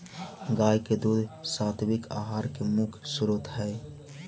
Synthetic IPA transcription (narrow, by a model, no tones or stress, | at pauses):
ɡaːjked̪uːd̪saːt̪ʰbɪka̰ːɦaːɾkemʊkʰsʊɾut̪ɦɛː